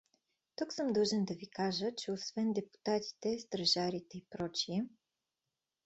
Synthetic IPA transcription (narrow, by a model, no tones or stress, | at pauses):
t̪uksɤmd̪ɤʒɛnd̪avikaʒət͡ʃɛosvɛnd̪ɛpu̥t̪at̪ʲi̥t̪ɛst̪ɾɐʒaɾit̪ɛipɾot͡ʃi